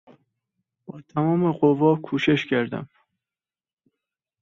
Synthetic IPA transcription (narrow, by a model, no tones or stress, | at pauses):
b̥ɒːt̪ʰæmɒːmeɢovɒːkʰuːʃeʃcʰæɾd̪æ̰m